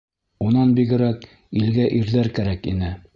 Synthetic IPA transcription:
unɑnbiɡɘ̆ɾæk | ilɡæʔiɾðæɾkæɾækḭnɘ

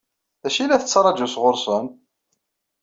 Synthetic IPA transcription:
æʃilæθət͡sːɾˤɑd͡ʒusʁʊɾˤsən

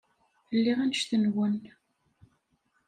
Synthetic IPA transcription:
əlːiʁænʃθənwən

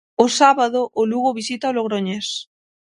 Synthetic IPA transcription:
ʊsaβaðoʔːluɣoβisit̪aoloɣɾoɲes

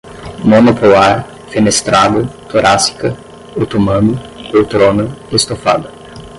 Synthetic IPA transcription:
monopolaɾ | fenest̪ɾad̪ʊt̪oɾʔasi̥kɐ | ot̪omɐ̃nʊowt̪ɾõnɐest̪ofa̰d̪ɐ

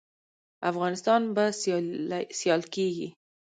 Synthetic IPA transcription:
afɣɑnɪst̪ɑnbas | sjɑlkeɡḭ

